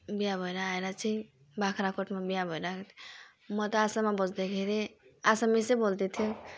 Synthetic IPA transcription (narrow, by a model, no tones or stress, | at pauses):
bijabʱəɾaːjɾat͡ʃʰi | bakʰɾakʰoʈmebijabʱɔjɾat̪ʰ | mɔt̪ɔasamabɔd͡ʒd̪ekʰeɾeasamesebolt̪et̪ʰiju